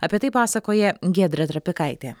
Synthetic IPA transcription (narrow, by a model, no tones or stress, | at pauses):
ɐpʲiɛt̪ɐɪpɑːsɐkoːjɛɡʲæːd̪ʲɾʲɛt̪ɾɐpʲɪkɐɪt̪ʲeː